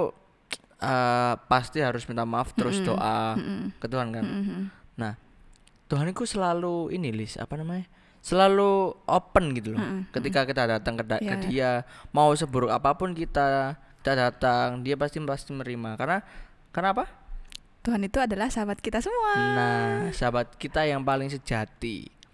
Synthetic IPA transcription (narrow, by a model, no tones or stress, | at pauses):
əpast̪iɦaɾʊsmint̪amaft̪əɾʊsdoʔakət̪uɦankannah | t̪uɦanik̪usəlaluinilɪsa̰panamaɲa | səlaluʔopənɡit̪ulɔkət̪ikakit̪adat̪aŋkədakədiamaus̬əbuɾʊkapapʊnkit̪aki̥t̪adat̪aŋdiapast̪ipast̪iməɾimakarna | karnaːpa | t̪uɦanit̪uadalahsabat̪̚kit̪asəmuanasabat̪̚kit̪ajaŋpalɪŋs̬əd͡ʒat̪ḭ